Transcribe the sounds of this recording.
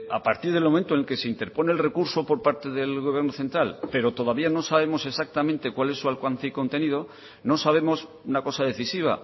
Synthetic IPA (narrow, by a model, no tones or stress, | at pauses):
a̰paɾt̪iɾðe̞lmo̞mẽnt̪onelke̞seint̪e̞ɾpo̞ne̞lre̞kuɾso̞po̞ɾpaɾt̪e̞ðe̞lɣo̞β̞je̞ɾnoθe̞nt̪ɾalpe̞ɾo̞t̪o̞ðaβiano̞saβe̞mo̞se̞sak̚t̪amẽnt̪e̞kwalesualkwanθiko̞nt̪e̞nið̞o̞ | no̞saβ̞e̞mo̞s | unako̞saðe̞θisiβ̞a̰